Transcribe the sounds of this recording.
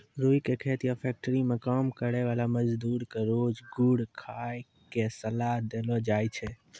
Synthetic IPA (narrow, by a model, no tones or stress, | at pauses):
ɾuikekʰet̪ijapʰɛk̚ʈəɾimekəmkəɽeʋalaməd͡ʒd̪uɾkeɾod͡ʒɡuɽkʰaj | kesəlaɦd̪elɔd͡ʒajt͡ʃʰɛ